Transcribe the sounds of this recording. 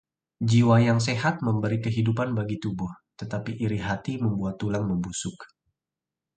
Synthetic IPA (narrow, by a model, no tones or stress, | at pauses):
d͡ʒiwajaŋs̬eɦat̪̚məmbəɾikəɦidupanbaɡit̪ubʊht̪ət̪apiʔiɾiɦat̪iməmbuat̪ːulaŋməmbusʊk